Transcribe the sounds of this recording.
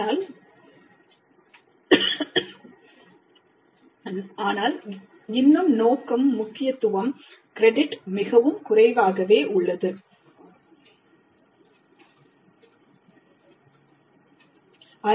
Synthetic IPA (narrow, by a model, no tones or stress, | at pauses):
aːl | aːnaːl | ɪnːɯmnoːkɐmːʊkːɪjɐt̪ːʊʋɐmkɪɾɛɖɪʈmɪɣɐʋɯmkʊrɐɪʋaːɣɐʋeːʔʊɭːɐðɯ | ɐ